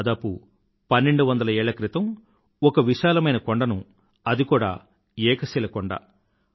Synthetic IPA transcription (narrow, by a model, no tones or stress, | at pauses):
d̪aːpu | pɐnːe̞ɳɖuʋɐnd̪ɐlɐɛːɭɐkɾit̪ɐm | ɔkɐʋiʃaːlɐmɐjnɐkoɳɖɐnu | ɐd̪ikuːɽa̰ː | ɛːkɐsilɐkɔɳɖa̰